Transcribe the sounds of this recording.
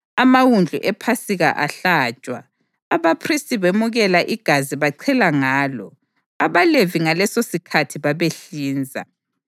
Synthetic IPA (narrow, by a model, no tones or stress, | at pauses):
amawund͡ɮʱṵʔɛpʰasiɣa̰ʔaɬaːt͡ʃʼwa̰ː | βapʰristʼiβemuɣɛlaʔiɡ̥ʱaziβaǀʰɛlaŋaːlɔ̰ | aβaleviŋalɛsosikʰatʰiβaβeɬiːnd͡zʱa̰